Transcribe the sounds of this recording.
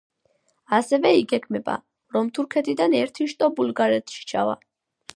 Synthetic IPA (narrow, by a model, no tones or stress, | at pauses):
asɛvɛiɡɛkʰmɛba̰ | ɾɔmt̪ʰuɾkʰɛt̪ʰʼid̪anɛɾt̪ʰiʃt̪ʼɔbulɡaɾɛt̪ʰʃi̥t͡ʃʰa̰va̰